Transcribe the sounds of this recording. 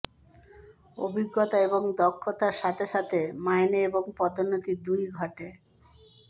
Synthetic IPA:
o̰bʱiɡːot̪aeboŋd̪ɔkʰːot̪aɾʃat̪ʰeʃat̪ʰemajneeboŋpɔt̪onːot̪id̪ujɡʱɔʈe

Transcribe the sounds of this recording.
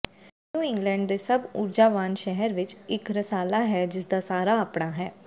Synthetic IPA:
nũːɪ̃ŋɡlɛ̃ːɳɖ̚d̪eːsəbʊɾd͡ʒaːʋaːnʃɛɦəɾʋɪt͡ʃɪkɾəsaːlaːɦɛːd͡ʒɪsd̪aːsaːɾaːəpɽaːɦɛː

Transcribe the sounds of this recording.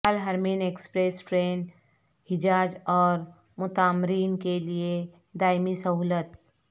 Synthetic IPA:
əlɦəɾmiːneːkspɾeːsʈɾeːn | hɪd͡ʒaːd͡ʒɔːɾ | mʊt̪aːmɾiːnkelie | d̪aːɪmisɐɦuːlət̪

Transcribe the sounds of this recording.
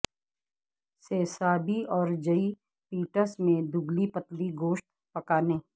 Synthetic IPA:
seːsaːbiɔːɾd͡ʒəi | piːʈəɾsmẽd̪ʊɡlipət̪liɡoːʃʈ̪̚ | pɐkaːneː

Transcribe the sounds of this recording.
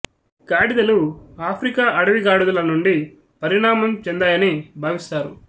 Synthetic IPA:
ɡaːɽid̪ɐluaːpʰɾikaːʔɐɽɐʋiɡaːɽud̪ɐlɐnuɳɖi | pɐɾiɳaːmɐmt͡ʃɛnd̪aːjɐnibʱaːʋist̪aːɾṵ

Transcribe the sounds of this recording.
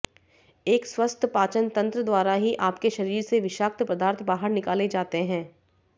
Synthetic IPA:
eːkswɐst̪ʰəpaːt͡ʃənt̪ɐ̃nt̪ɾəd̪waːɾaɦiʔaːpkeʃɐɾiːɾseʋɪʃaːk̚t̪pɐd̪aːɾt̪ʰbaːɦəɾnɪkaːled͡ʒaːt̪eɦɛ̃ː

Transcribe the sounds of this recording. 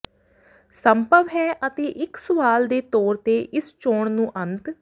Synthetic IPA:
səmpəʋɦɛːʔət̪eːʔɪksʊʋaːld̪eːt̪ɔːɾt̪eːʔɪst͡ʃoːɳnũːʔənt̪

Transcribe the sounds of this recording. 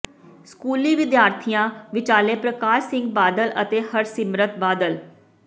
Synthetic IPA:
skuːliːʋɪd̪jaːɾt̪ʰijãːʋɪt͡ʃaːleːpɾəkaːʃsɪ̃ŋɡ̚baːd̪ələ̰t̪eːhəɾsɪmɾət̪̚baːd̪əl

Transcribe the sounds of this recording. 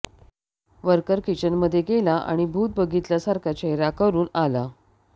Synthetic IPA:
ʋəɾkəɾkit͡ɕənməd̪ʱːjeɡelaʔa̰ɽ̃ibʱuːt̪̚bəɡit̪ljasaɾkʰat͡ɕeɦɾakəɾuːnala

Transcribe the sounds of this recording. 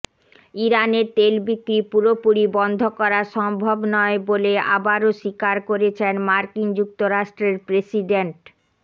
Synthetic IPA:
iɾaneɾt̪elbikɾipuɾopuɽibɔnd̪ʱokɔɾaʃɔmbʱobnɔebolea̰baɾoʃikaɾkoɾet͡ɕʰenmaɾkind͡ʑuk̚t̪oɾaʃʈɾeɾpɾesiɖeɳʈ

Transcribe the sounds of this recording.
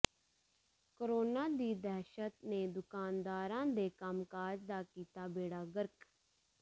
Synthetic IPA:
koɾoːnaːd̪iːd̪ɛɦʃət̪neːd̪ʊkaːnd̪aːɾãːd̪eːkəmkaːd͡ʒd̪aːkiːt̪aːbeːɽaːɡəɾk

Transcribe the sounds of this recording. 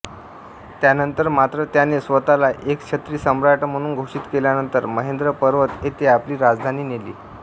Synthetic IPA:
t̪janənt̪əɾmat̪ɾət̪janesʋət̪alaʔekt͡ɕʰət̪ɾiːsəmɾaʈm̤əɽ̃uːnɡʱoʂiːt̪keljanənt̪əɾməɦend̪ɾəpəɾʋət̪ɦet̪eapliːɾad͡zd̪ʱaniːnelḭː

